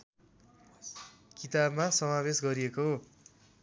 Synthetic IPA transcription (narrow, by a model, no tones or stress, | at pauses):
kit̪abmasʌmabesɡʌɾiekoɦo